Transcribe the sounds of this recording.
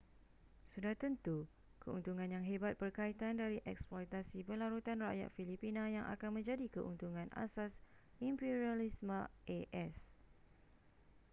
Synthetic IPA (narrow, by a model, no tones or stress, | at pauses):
sudaht̪ənt̪u | kəṵnt̪uŋãnjaŋɦebat̪̚bərkait̪andaɾiʔɛksplɔjt̪asipəlaɾut̪anra̰ʔja̰t̪̚filipinãjaŋʔa̰kanmə̃ɲd͡ʒadikəʔṵnt̪uŋãna̰sas | impiɾialismãeʔɛs